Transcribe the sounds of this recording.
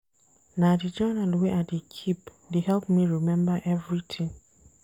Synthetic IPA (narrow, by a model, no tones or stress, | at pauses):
nadid͡ʒɜnalweʔadikʰip | dehɛlˠpmiɹimɛ̃mbəʔɛvɹitʰɪ̃ŋ